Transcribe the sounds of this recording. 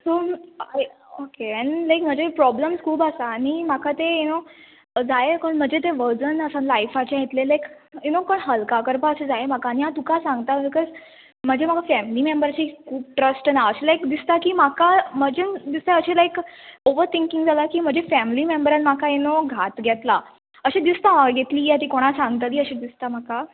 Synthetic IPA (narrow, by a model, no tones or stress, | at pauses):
soaeokeɛ̃ɳlajkm̤əd͡ʑepɾɔbləmskʰuːbəsaːɽ̃im̤akat̪eeno | d͡zaekənm̤əd͡ʑet̪̬eʋəd͡zənəsãnlajfat͡ɕajet̪lelajk | junokəɳɦəlkakəɾpaəsed͡zaemakaːɽ̃iɦat̪ukasãŋɡt̪abikɔz | m̤əd͡ʑem̤aɡafæmlimembəɾt͡ɕikʰuːp̚ʈɾəsʈnaəɕelajkd̪ist̪akiːm̤akaməd͡ʑend̪ist̪eəɕelajkoʋəɾt̪iŋkĩŋɡd͡zʱalakiːm̤əd͡ʑefæmlimembəɾanm̤akaenoɡʱat̪ɡʱɛt̪la | əɕed̪ist̪amaɡɡet̪liːat̪iːkoɽ̃asãŋɡt̪at̪iːəɕed̪ist̪am̤aka